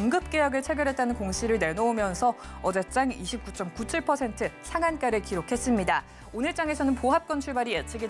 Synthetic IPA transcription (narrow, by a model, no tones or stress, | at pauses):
ŋɡɯp̚k͈e̞jʌɡɯɭt͡ɕʰe̞ɡjʌɾɦe̞t̚t͈anɯnkoŋɕʰiɾɯɭne̞noomjʌnsʰʌʌd͡ʑet͡ɕ͈aŋiɕʰip̚k͈ut͡ɕ͈ʌmkut͡ɕʰiɭpʰʌsʰe̞ntʰɯsʰaŋank͈aɾɯɭkiɾokʰe̞s͈ɯmɲida | onɯɭt͡ɕ͈aŋe̞sʰʌnɯnpoɦap̚k͈ʌnt͡ɕʰuɭbaɾijet͡ɕʰeɡi